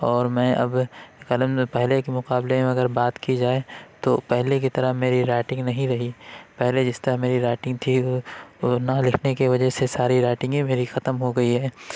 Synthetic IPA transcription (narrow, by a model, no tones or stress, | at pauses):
ɔːɾmɛ̃ːɐ̰bkɐləmpɛɦlekemʊqaːblemẽɐɡəɾbaːt̪kid͡ʒaːet̪opɛɦlek̬it̪ɐɾəmeːɾiɾaːʈɪ̃ŋɡnɐɦĩɾɐɦipɛɦled͡ʒɪst̪ɐɾəmeːɾiɾaːʈɪ̃ŋɡ̚t̪ʰi | nalɪkʰnekeʋɐd͡ʒəɦsesaːɾiɾaːʈɪ̃ŋɡẽmeːɾixɐt̪əmɦoɡɐiɦɛː